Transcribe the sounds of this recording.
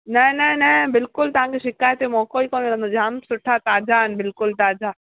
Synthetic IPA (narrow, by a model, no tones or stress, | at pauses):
nɛnɛnɛbɪlkʊlt̪ɐʋãŋkeʃɪkaːjt̪emɔːkoikonenə̃nd̪od͡ʑʱaːmsʊʈʰːat̪aːd͡ʒanbɪlkʊlt̪aːd͡ʒa